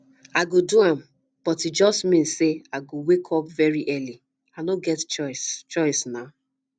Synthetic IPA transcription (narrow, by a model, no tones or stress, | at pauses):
aɪɡoduãm | b̥ɔtid͡ʒɔstmĩnsːeaɪɡowekʰɔpvɛɹiʔɛli | aɪnõɡɛtt͡ʃɔɪst͡ʃɔɪsnaʊ